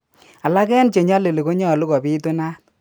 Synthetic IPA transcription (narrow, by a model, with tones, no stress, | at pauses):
a˨la˦kɛ˦nt͡ʃe˨ɲɔ˦le˨le˨ko˦ɲɔ˦˨lu˦kɔ˨bi˦to˦na˦t̚